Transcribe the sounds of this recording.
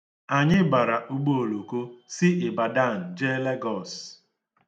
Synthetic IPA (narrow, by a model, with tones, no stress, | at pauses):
a˨ɲɪ˦ba˨ɾa˨ʔu˦ɡ͡bo˦o˨lo˨ko˦sɪ˦ʔɪ˨ba˨da˦˨n̩˨d͡ʒe˦le˦ɡɔ˦˨s